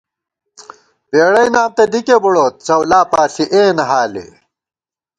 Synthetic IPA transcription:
peːɽɐjnaːmt̪ɐd̪ikebuɽoːt̪̚t͡sɐwlaːpaːɬiʔeːnɐɦaːlḛ

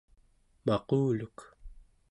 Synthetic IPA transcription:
mɑquːluk

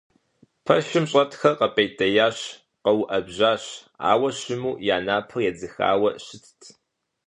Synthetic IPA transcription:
pʰɐʃɪmɕʼɐtʰxɐqɐpʼejtʼɐjaːɕ | qɐwʊʔɐbʑaːɕ | a̰ːwɐɕɪmuːjaːnaːpʰɨrjɛd͡zɨxa̰ːwɐɕɪtʰtʰ

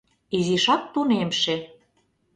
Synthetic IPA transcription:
iziʃɑk̚t̪unemʃe

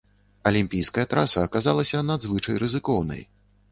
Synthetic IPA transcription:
ɐlʲimʲpʲijskɐjɐt̪ɾʔasɐːkazalˠɐsʲɐnad̪zvɨt͡ʂɐjrɨzɨkɔwnɐ̰j

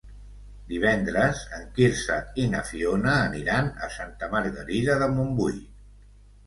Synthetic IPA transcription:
d̪iβ̞ɛnd̪ɾəzəŋkiɾsəinəfionəːniɾanə̰sant̪əməɾɣəɾiðəðəmumbuj

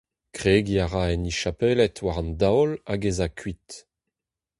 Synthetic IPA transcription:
kʁeːɡiaʁaɛniʃapɛlɛtwaʁɑ̃ndawlaɡezakʰɥit

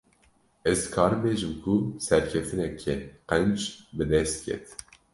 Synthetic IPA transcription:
ɛzkʰɑːɾbeːʒɨmkʰusɛɾkʰɛft̪ɨnɛkʰɛqɛnd͡ʒbɨd̪ɛst̪̚kʰɛ̰t̪

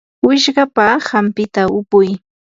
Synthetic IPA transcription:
wɪʃɢɑpahampɪt̪aʊpʊj

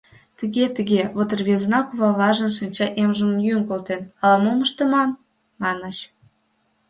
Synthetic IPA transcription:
t̪əɣet̪əɣeβot̪ərβezənɑkuβɑβɑʒə̆nʃinʲt͡ɕɑʔemʒəmənjyŋkolt̪enɑlɑmoməʃt̪əmɑn | mɑnət͡ɕ

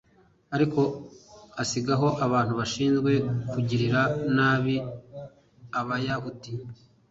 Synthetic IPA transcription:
aɾiko̞asiɡaɦo̞ʔaβaːn̥huβaʃiːnzɡwe̞kuɟiɾiɾanaːβi | aβajahuti

